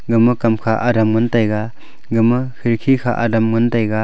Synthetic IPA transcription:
ɡɯmɐkɐmkʰaʔɐɾamŋɐntajɡa | ɡɯmɐhʰiɾkʰikʰa̰ʔɐ̰damŋɐntajɡa

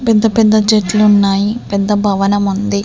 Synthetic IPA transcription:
pɛd̪ːɐpɛd̪ːɐd͡ʒeʈluunːaːjipɛd̪ːɐbʱɐʋɐnɐmund̪i

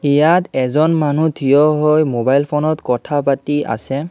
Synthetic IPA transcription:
ijatɛzɔnmanutʰijɔɦojmobajlpʰɔnɔtkɔtʰapatiʔa̰sɛ

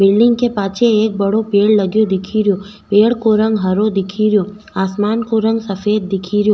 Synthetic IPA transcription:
bɪlːɪŋɡ̚kepat͡ʃʰeːk̚bəɽopeɭləɡjod̪ɪkʰiɾjo | peɭkoɾəŋɡɦəɾod̪ɪkʰiɾjo | asmankoɾəŋɡsəfed̪̚ːɪkʰiɾjo

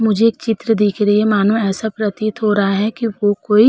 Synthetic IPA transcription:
mʊd͡ʒʱeːkt͡ʃɪt̪ɾəd̪iːkʰɾəemaːnõɛːsapɾɐt̪it̪ɦoɾɐɦaɦɛkiʋokoːi

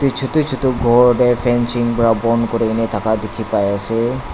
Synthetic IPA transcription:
tut͡ʃʰutut͡ʃʰutuɡʱɔɹdɛpʰɛnsiŋbɔɹabɔnkɔɹenɛtʰakadekʰipajasɛ

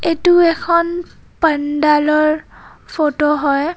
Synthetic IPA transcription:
etuɛkʰɔn | pəndalɔɹpʰotoɦɔj

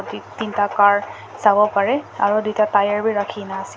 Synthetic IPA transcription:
titintakaɹ | zabɔpaɹɛa̰ɹudujtatajaɹbiɹakʰinaːsi

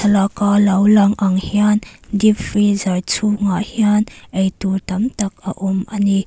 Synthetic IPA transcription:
ɐlakalɐwlɐŋʔɐŋhiandifʰrizɐrt͡sʰuŋahianʔejt̪urt̪ɐmt̪ɐk̚ɐ̰ʔumʔɐni

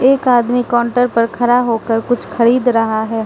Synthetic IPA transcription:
eːkaːd̪mikɔːɳʈəɾpɐɾkʰɐɾaɦoːkəɾkʊt͡ʃʰxɐɾiːd̪ɾɐɦaɦɛː

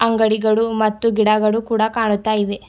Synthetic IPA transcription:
ɐŋɡɐɽiɡɐɭumɐt̪ːuɡiɽɐɡɐɭukuːɽɐkaːɳut̪ːaːjiʋe

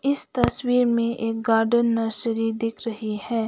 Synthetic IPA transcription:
ɪst̪ɐswiːɾmẽʔeːk̚ɡaːɾɖənːɐːsəɾid̪ɪkʰɾɐɦihɛː

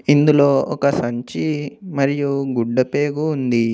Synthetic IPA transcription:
ind̪ulo̞ːɔkɐsɐɲt͡ʃimɐɾijuɡuɖːɐpe̞ːɡuːnd̪i

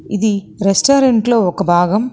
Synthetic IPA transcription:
ɪði | ɾɛsʈoːɾɐɳʈloɔkːɐbʱaːɣɐm

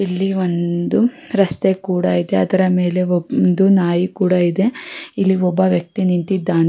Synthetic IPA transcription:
ilːiond̪u | ɾɐst̪ekuːɽɐid̪e̞ɐd̪ɐɾɐme̞ːle̞ɔnd̪unaːjikuːɽɐid̪e̞ilːiɔbːɐʋjɐk̚t̪inint̪id̪ːaːne

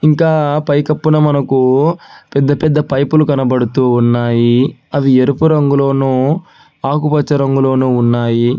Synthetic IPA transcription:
iŋkaːpɐjkɐpːunɐmɐnɐkupɛd̪ːɐpɛd̪ːɐpɐjpulukɐnɐbɐɽut̪uːunːaːjiɐʋieɾupuɾɐŋɡulo̞ːnuː | aːkupɐt͡ʃːɐɾɐŋɡulo̞ːnuːnːaːji

